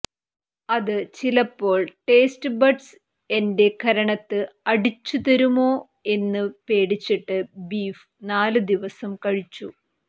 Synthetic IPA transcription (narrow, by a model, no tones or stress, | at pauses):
ɐðɨt͡ɕilɐpːo̞ːɭʈe̞ːsʈɨbɐɖs | e̞nde̞kʰɐɾɐɳɐt̪ːɨɐɽit͡ɕːut̪ɐɾumo̞ː | e̞nːɨpe̞ːɽit͡ɕːiʈːɨbiːf | naːlɨd̪iʋɐsɐmkɐɻit͡ɕːu